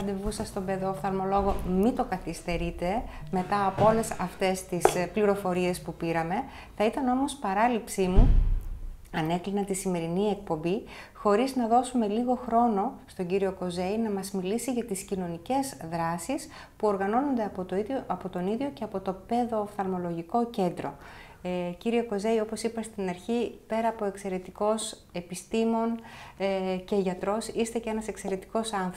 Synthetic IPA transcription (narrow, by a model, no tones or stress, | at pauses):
ɐd̪evusɐst̪o̞beðofθɐlmo̞lo̞ɣo̞mit̪o̞kɐθist̪e̞ɾit̪e̞me̞t̪ɐːpoo̞le̞sɐft̪e̞st̪ispliɾo̞fo̞ɾie̞spupiɾɐme̞ | θɐit̪ɐno̞mo̞spɐɾɐlipsimu | ɐne̞klinɐt̪isime̞ɾinie̞k̚po̞mbi | xo̞ɾiznɐðo̞sume̞liɣo̞xɾo̞no̞st̪o̞ɲɟiɾio̞ko̞ze̞jinɐmɐzmilisiʝɐt̪iscino̞nice̞zðɾɐsis | puo̞ɾɣɐno̞no̞nd̪eɐp̪ɐpot̪o̞niðʝo̞ce̞ɐpo̞t̪o̞pe̞ðo̞θɐlmo̞lo̞ʝiko̞ce̞nd̪ɾo̞ | ciɾie̞ko̞ze̞io̞po̞sipɐst̪inɐɾçipe̞ɾɐːpo̞e̞kse̞ɾe̞t̪iko̞s | e̞pist̪imo̞n | ce̞ʝɐt̪ɾo̞sist̪e̞cee̞nɐse̞kse̞ɾe̞t̪i̥ko̞sɐnθ